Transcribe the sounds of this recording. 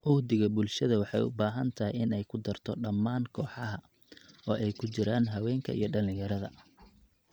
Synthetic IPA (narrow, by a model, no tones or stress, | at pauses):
ʔʊhd̪ɪɣɐbʊlʃɐðɐwɑħɑ̰jʊ̰baːɦɐnt̪ʰɐɦɪjɪnɛjkʰʊd̪ɐrt̪ʰɔɖɐmːaːŋkʰɔːħɑɦɐ | ɔːʔɛjkʰʊt͡ʃɪɾaːnɦɐwɛːŋkʰɐ̰ʔḭjɞɖɐlɪ̃ŋjɐɾɐðɐ̰